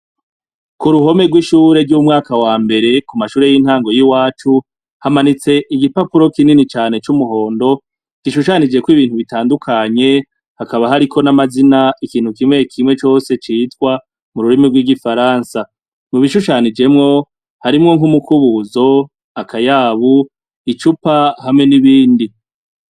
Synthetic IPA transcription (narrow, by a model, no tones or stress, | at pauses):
kuɾuɦo̞me̞ɡwiʃuːɾe̞ɾɟumŋaːkawaːmbe̞ɾe̞kumaʃuːɾe̞jin̥haːŋɡo̞jiwaːt͡ʃu | hamanit͡se̞ʔiɡipapuɾo̞kininit͡ʃaːnet͡ʃumuɦo̞ːndo̞ | ɡ̥iʃuʃanid͡ʒe̞kwiːβiːnhuβitaːndukʰaɲe̞ | hakaβaɦaɾikʰo̞namazinaikiːn̥hukimŋe̞kʰimŋe̞t͡ʃo̞se̞t͡ʃiːtkwa | muɾuɾimiɾɡwiɡifaɾaːnsa | muβiʃuʃaːnid͡ʒe̞mŋo̞ | haɾimŋo̞ŋɦumukuβuzo̞ | akʰajaβu | it͡ʃupahamŋe̞niβiːndi